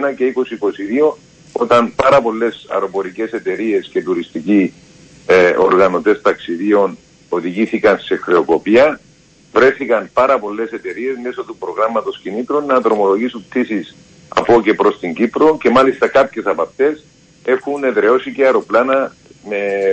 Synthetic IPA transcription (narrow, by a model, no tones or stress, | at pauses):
nɐce̞iko̞siːko̞siðio̞ | o̞t̪ɐnpɐɾɐpo̞lːe̞sɐ̰ɾo̞po̞ɾice̞se̞t̪e̞ɾie̞sce̞t̪uɾist̪ici | o̞̰ɾɣɐno̞t̪e̞st̪ɐksiðio̞n | o̞ðiʝiθikɐnse̞xɾe̞o̞ko̞piɐ | vɾe̞θikɐnpɐɾɐpo̞lːe̞se̞t̪e̞ɾie̞zme̞so̞t̪upɾo̞ɣɾɐmːɐt̪o̞scinit̪ɾunːɐt̪ɾo̞mo̞lo̞ʝisunt̪isis | ɐ̰po̞ce̞pɾo̞st̪iɲɟipɾoce̞mɐlist̪ɐkapçe̞sɐpɐft̪e̞s | e̞xune̞ðɾe̞o̞siceɐɾo̞planɐ | me̞